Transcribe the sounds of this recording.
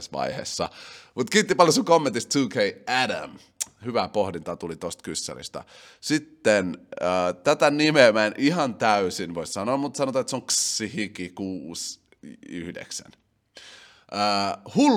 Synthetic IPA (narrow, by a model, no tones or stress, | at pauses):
sʋɑ̰ihḛːsːɑ̰mut̪kiːt̪ːipɑljosuŋkomːent̪ist̪uːkʰeiædæ̰m | hyʋæpohdint̪ɑt̪ulit̪ost̪kysːḛlḭst̪æ̰ | sit̪ːenəːt̪æt̪ænimemænʔihɑnt̪æysinʋoissɑnoɑmmut̪sɑnot̪ɑet̪seoŋksihikikuːs | y̰hdḛksæ̰n | ʔəːhul